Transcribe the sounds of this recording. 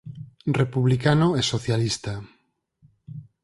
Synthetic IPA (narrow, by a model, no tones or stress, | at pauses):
repuβlikanoɛsoθjalist̪a